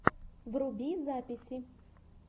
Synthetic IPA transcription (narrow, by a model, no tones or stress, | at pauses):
vrʊbʲizapʲɪsʲɪ